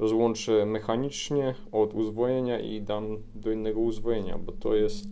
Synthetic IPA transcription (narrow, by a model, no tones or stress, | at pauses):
ɾɔzwɔnt͡ʂɛmɛxaɲit͡ʂɲɛ | ɔd̪uzvɔjeɲaʔḭd̪am | d̪ɔinːɛɡɔuzvɔjeɲa̰bɔt̪ʰɔ̰jɛst̪